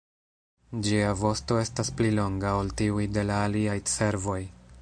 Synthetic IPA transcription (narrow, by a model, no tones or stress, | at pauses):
d͡ʒiavo̞sto̞e̞stasplilo̞ŋɡaoltiujde̞laːliajt͡se̞ɾvo̞j